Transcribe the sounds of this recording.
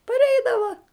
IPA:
pɐrʲˈɛɪdɐʋɐ

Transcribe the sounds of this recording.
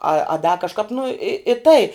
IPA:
ɐ ɐ dɐ kɐʃˈkɐp nʊ ɪ ɪ tɐɪ

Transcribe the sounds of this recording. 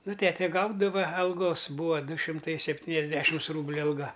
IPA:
ˈnʊ ˈtʲæːtʲɛ ˈɡɐʊdɐʋɐ ɐlˠˈɡoːs ˈbuːʋɐ ˈdʊ ʃʲɪmˈtɐɪ sʲɛpʲˈtʲiːnʲɛzʲˌdʲæːʃʲɪms ˈruːbʲlʲʊ ɐlˠˈɡɐ

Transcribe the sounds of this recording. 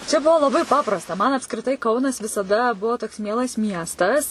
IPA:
t͡ʃʲɛ ˈbʊʋoː lˠɐˈbɐɪ ˈpɑːprɐstɐ mɐn ɐpskrʲɪˈtɐɪ ˈkɐʊnɐs ʋʲɪsɐˈdɐ ˈbʊʋoː toːks ˈmʲiɛlˠɐs ˈmʲiɛstɐs

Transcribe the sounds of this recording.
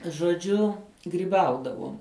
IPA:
ʒoːˈd͡ʒʲʊ ɡrʲiːˈbɐʊdɐʋuɔm

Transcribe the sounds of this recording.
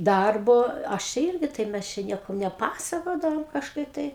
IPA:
ˈdɐrboː ˈɐʃ t͡ʃʲɛ ˈɪrʲɡʲɪ tɐɪp ˈmʲɛs t͡ʃʲɛ ˈnʲiɛkɐm nʲɛˈpɑːsɐkoːdɐʋoːm kɐʃˈkɐɪp ˈtɐɪ

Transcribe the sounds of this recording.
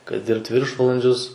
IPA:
kɐɪ ˈdʲɪrpt ˈʋʲɪrʃʋɐlˠɐnʲd͡ʒʲʊs

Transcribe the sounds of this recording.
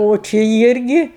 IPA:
oː ˈt͡ʃʲɪ ˈɪrʲɡʲɪ

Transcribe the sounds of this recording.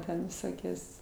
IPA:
ˈtʲɛn ʋʲɪˈsoːkʲoːs

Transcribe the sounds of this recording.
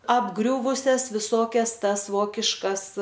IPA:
ɐbˈɡrʲʊʋʊsʲɛs ʋʲɪˈsoːkʲɛs ˈtɐs ˈʋoːkʲɪʃkɐs

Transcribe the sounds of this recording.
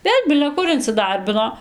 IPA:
ˈʋʲeːlʲ bʲɪlʲɛ ˈkʊr ɪnʲt͡sʲɪˈdɐrʲbʲɪnoː

